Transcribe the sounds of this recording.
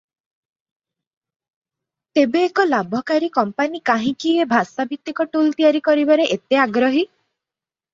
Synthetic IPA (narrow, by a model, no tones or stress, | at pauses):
t̪ebeːkɔlabʱɔkaɾikɔmpanikaɦĩkiebʱasabʱit̪ːikɔʈult̪ijaɾikɔɾibaɾeʔet̪eaɡɾɔɦi